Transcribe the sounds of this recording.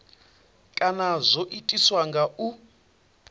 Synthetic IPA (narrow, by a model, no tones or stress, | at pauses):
kʼanazʷoʔitʼiswaŋɡaʔu